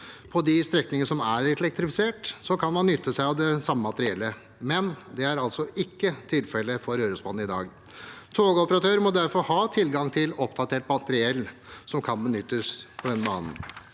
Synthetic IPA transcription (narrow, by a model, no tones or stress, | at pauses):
pʰɔd̪ɪst̪ɾɛknɪŋənəsɔmæɾɛlɛk̚t̪ɾɪfɪseːʈsɔkʰɑnmɑnːʏt̪ʰːəsæɪɑʋd̪ɛsɑmːəmɑt̪əɾɪɛlːə | mɛnd̪ɛæɾɑlt̪sɔʔɪkːət̪ʰɪlfɛlːəfɔɾøːɾəsbɑːn̩ɪd̪ɑ̰ːɡ | t̪ʰoːɡəɔpəɾɑt̪ʰøːɾmɔd̪æɾfɔɾhɑːt̪ʰɪlɡɑŋt̪ʰɪlɔp̚d̪ɑt̪ʰeːʈmɑt̪əɾɪɛlːsɔmkʰɑnbənʏt̪ːəspʰɔd̪ɛnbɑ̰ːnn